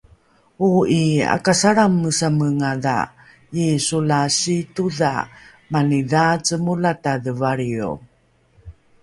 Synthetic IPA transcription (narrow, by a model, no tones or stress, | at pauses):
uia̰kasaɾamːəsaməŋaða̰ | isulasituða̰ | maniðat͡səmulataðəvaɾio̰